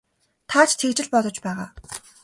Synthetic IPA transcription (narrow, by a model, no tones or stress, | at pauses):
t̪ʰaːt͡ɕʰt̪ʰekt͡ɕɪ̆ɮpɔt̪ɞ̆t͡ɕpæːʁa̰ː